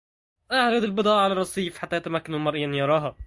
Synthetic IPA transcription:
ʔaʕɾed̪ɪlbɨd̪ˤɑːʔʕalærˤːɑsˤiːfħat̪ːæːjæt̪æmækːænulmɑɾˤʔjanjɑɾˤɑːɦɑ

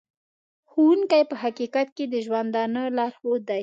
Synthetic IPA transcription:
xuwuŋkajpəɦaqikat̪̚ked̪əʒwand̪ɑnəlɑɾxod̪aj

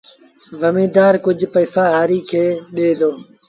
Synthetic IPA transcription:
ʋəmiːd̪aːɾkʊd͡ʒʱpəːfaːɦaːɾiːkʰeːɗeːd̪oː

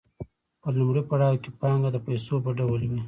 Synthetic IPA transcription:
pəlumɽipaɽɑwkepɑŋɡad̪əpajsopəɖawəlwi

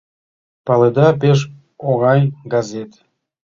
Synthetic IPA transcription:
pɑled̪ɑpeʃ̬ | oɣɑnʲɡɑzet̪

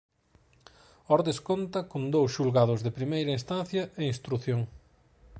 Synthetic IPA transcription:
ɔɾðeskont̪ɐkond̪owsʃulɣaðʊzðɪpɾimejɾɐist̪anθjɐeŋĩst̪ɾuθjoŋ

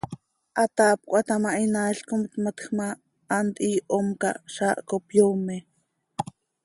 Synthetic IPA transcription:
ʔat̪aːp̚kʷʔat̪amaʔinaɬkomt̪mat̪xmaː | nt̪iːʔomka̰ʃaʔkopjome

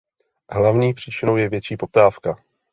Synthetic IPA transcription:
ɦlavɲiːpr̝̥iːt͡ʃɪnowjɛvjɛt͡ʃiːpo̞p̚t̪aːfka

